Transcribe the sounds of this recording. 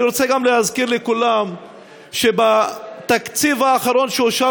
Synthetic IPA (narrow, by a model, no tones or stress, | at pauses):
iɾot͡seɡamlehazkiʁlekulam | ʃebat̪akt͡sivaːχaɾo̞nʃeuʃa